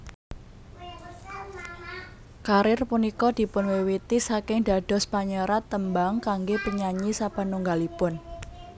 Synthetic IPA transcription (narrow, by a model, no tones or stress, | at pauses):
kaɾɪrpunikɔd̪̥i̤pʊnwewit̪isakɪŋɖ̥a̤ɖ̥ɔ̤spaɲəɾat̪ːəmbaŋkaŋɡepəɲaɲisapanuŋɡalipʊn